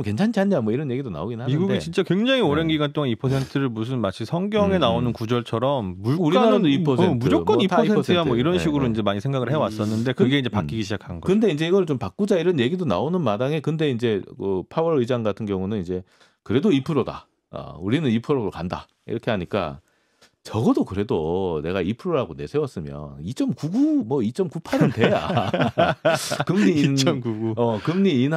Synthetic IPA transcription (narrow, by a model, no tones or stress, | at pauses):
mke̞nt͡ɕʰant͡ɕʰianɲamwʌiɾʌnje̞ɡidona̰oɡinɯnɦamɡudit͡ɕint͡ɕ͈akwe̞ŋd͡ʑaŋioɾenɡiɡant͈oŋanipʰʌsʰe̞ntʰɯɾɯɭmus̬ʰɯnmat͡ɕʰisʰʌŋɡjʌŋe̞naonɯnkud͡ʑʌɭt͡ɕʰʌɾʌmːuɭuɾinaɾadoipʰʌsemʰud͡ʑok͈ʌnipʰʌsʰeʌstʰeɯɡamwʌiɾʌnɕʰiɡuɾoind͡ʑe̞maɲisʰe̞ŋɡaɡɯɭhe̞ʌwas͈ʌnːɯnde̞kɯɡe̞ind͡ʑe̞pakk͈iɡiɕʰid͡ʑakʰanɡʌkɯnde̞ind͡ʑe̞iɡʌɾɯɭt͡ɕompak̚k͈ud͡ʑaiɾʌnje̞ɡidona̰onɯnmadaŋe̞kɯnde̞ind͡ʑe̞kɯpʰawʌɾɯid͡ʑaŋɡatʰɯnɡjʌŋunɯnind͡ʑe̞ | kɯɾe̞doipʰɯɾoda̰ | ʌ̰uɾinɯnipʰɯɾoɾɯɭkanda̰ | ḭɾʌkʰe̞ɦaɲik͈a̰ | t͡ɕʌɡʌdokɯɾe̞done̞ɡaipʰɯɾoɾaɡone̞sʰewʌs͈ɯmjʌ̰nit͡ɕ͈ʌmkuɡumwʌit͡ɕ͈ʌmkupʰaɾɯnte̞ja̰ | kɯmɲinʌmkuɡuʌkɯmɲiːn